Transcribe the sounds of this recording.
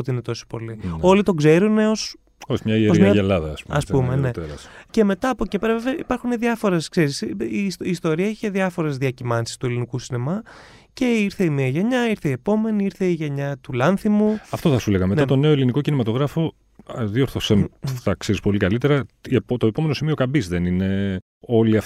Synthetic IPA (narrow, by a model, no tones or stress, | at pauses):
ot̪iinet̪o̞so̥po̞lio̞lit̪o̞ɡze̞ɾune̞o̞s | oçmɲɐieozmɐɐelɐðɐːspuɐsppumene̞t̪eɾɐsce̞me̞t̪ɐːpo̞cepeɾɐveveɐipɐɾxuneðɐfo̞ɾeskseɾisisiːst̪o̞ɾiɐiçeðjɐfo̞ɾe̞zðiɐcimɐnsi̥st̪ue̞linikusinemɐ | ce̞iɾθe̞imiɐʝe̞ɲɐiɾθeie̞po̞me̞niiɾθe̞iʝeɲɐt̪ulɐnθimuɐft̪o̞θɐsule̞ɣɐmet̪ɐt̪one̞oeliniko̞cinimɐt̪oɣɾɐfo̞ | ðio̞ɾθoseθɐkseɾispo̞likɐlit̪e̞ɾɐept̪oepo̞me̞nosimio̞kɐbizðenine | o̞liɐf